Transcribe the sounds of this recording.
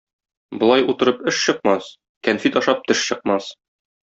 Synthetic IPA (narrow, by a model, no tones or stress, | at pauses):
bŏlˠɑjut̪ɤ̆ɾɤpɘʃɕɤ̆qmɑs | kænfit̪ɒʃɑp̚t̪ɘʃɕɤ̆q̚mɑs